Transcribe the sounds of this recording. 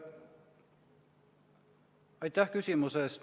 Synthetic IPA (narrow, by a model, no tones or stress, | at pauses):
ɑjt̪ːæhkysimusest̪